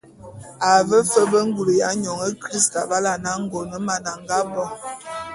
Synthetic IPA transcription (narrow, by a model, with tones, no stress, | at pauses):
a˨və˦fə˦bə˦ŋ̩˦ɡu˨lə˨ja˨˦ɲɔ˨ŋə˦kɾi˦sta˨ba˦la˨na˦ŋ̩˦ɡo˨nə˨˦ma˨na˨ŋɡa˦bɔ˦